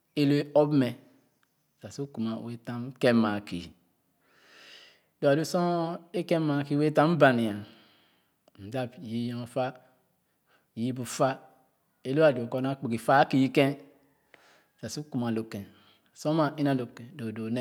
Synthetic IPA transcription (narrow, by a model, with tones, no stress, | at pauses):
e˦lo˦e˦o˦bme˨ | sa˨su˦ku˨ma˨we˦ta˦mke˦ma˨kḭ˨ | do˨a˨do˦so˦e˦ke˦ma˨ki˦we˦ta˦m˦ba˨ni˨a˨ | n̩˨da˦bji˦jo˨fa˦˨ | ji˦bu˨fa˦ | e˦lo˦a˨do˨ko˦n˦a˦k͡pi˨ɡi˨fa˦ki˨ji˦kẽ˦˨ | sa˨su˦ku˨m˨a˨lo˨kẽ˨ | sõ˦ma˨ʔi˦na˨lo˨kẽ˨do˨do˨ne˦˨